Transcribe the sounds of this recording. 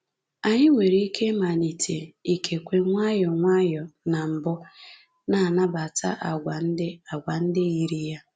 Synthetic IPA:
a˨ɲɪ˦ŋʷe˨ɾi˦i˦kʰe˦ma˨ni˨tʰe˨i˨kʰe˨kʷe˨ŋʷa˦jɔ˨ŋʷa˦jɔ˨na˨m̩˨bɔ˦ | na˨na˦ba˨ta̰˦ʔa˨ɡʷa˨n̩˦dɪ˦a˨ɡʷa˨n̩˦dɪ˦i˦ɾi˦ja˦

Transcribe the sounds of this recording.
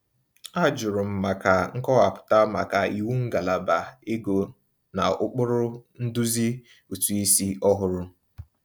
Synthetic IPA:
a˦d͡ʒʊ˨ɾʊ˨m̩˨ma˨ka˨ŋ̩˦kɔ˦ɣa˨pʊ̥˨ta˦ma̰˨ka˨i˨wu˦ŋ̩˦ɡa˨la˨ba˨e˦ɡo˨ | na̰˨ʊ˦k͡pʊ˦ɾʊ˦n̩˦du˦zi˦ | u˨tu˨i˦si˦ɔ˦ɦʊ˨ɾʊ˦

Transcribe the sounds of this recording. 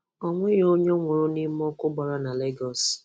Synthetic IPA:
ɔ˨ŋʷe˦jo˦ɲe˦ŋʷʊ˨ɾʊ˦ni˦m̩˦ɔ˦kʊ˦ɡ͡ba˨ɾa˦na˨le˦ɡɔ˨s

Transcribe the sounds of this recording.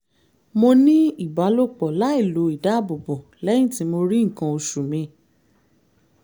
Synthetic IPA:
mo˧nĩ˦i˦˨ba˨˦lo˦˨k͡pɔ˨la˨˦i˦˨lo˨˦i˨da˨˦˨bo˨bo˨lɛ˦ĩ˦˨ti˨˦mo˧ɾi˦ŋ̩˨kã˧o˧ʃu˨mĩ˧

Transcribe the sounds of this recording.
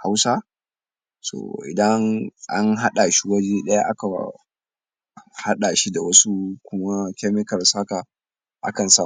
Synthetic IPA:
ha˦wsa˦ | so̰ː˨ʔɪ̰˨dɐ˦ŋʔa̰˦nɦa˦ɗa˨ʃi˦wɐ˦d͡ʒeː˦ɗɐ˦ja˦ʔa˦ka˨ | ha˦ɗa˨ʃi˦da˨wɐ˦su˦kʷʊ˦ma˦kʲa˦mɪ˦kɐ˨rsa˦ka˨ | ʔa̰˦kɐ˨nsa˦

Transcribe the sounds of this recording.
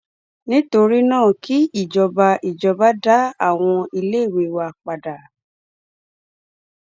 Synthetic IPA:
nĩ˦to˧ɾi˦nãː˦˨ki˦i˦˨d͡ʒɔ˨ba˧ʔi˨d͡ʒɔ˨˧ba˦da˦a˦˨w̃ɔ̃˧i˧le˦˨we˧˦wa˧k͡pa˨da˨

